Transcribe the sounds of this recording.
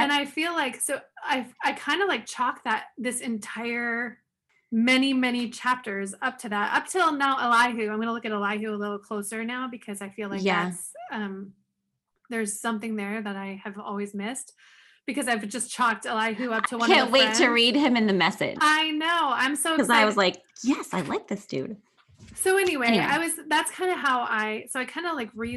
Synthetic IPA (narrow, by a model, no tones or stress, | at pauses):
ɨ̃ñaɪfilaɪksoʊaɪaɪkʰãɪ̃ndəlaɪk̚t͡ʃʰɑk̚ðɨt̪̚ðɪsɨ̃ntʰaɪə˞ | mɛnimɛɾ̃it͡ʃʰæp̚tə˞zʌp̚tʰɨðætʌ̰p̚tʰɪlˠnaʊʔəlaɪɦʉãɪ̃mɡʌnəlʊkɨɾəlaɪɦʉəlɪɾl̩ˠkʰl̥oʊsə˞naʊbɨkʰʌzaɪfilaɪkææsʌ̃m | ðə˞z̥sʌ̃mθɪ̃ŋðə˞ðɨɾaɪɨvɔ̰lˠwizmɪst | b̥ɨkʰʌzaɪvd͡ʒʌst͡ʃʰɑk̚tɨlaɪɦʉʌp̚tʰɨl̩ˠwʌ̃æ̃nweɪtʰɨɹid̚ɨ̃mɨ̃nðɨmɛsɪ̰d̥aɪnoʊãɪ̃msoʊkʌzaɪwʌzlaɪk̚jɛsaɪlaɪk̚ðɨstʉ̰d̚ | soʊɛniwea̰ɪwʌzðætskʰãɪ̃ndɨɦaʊʔaɪsoʊaɪkʰãɪ̃ndəlaɪkɹi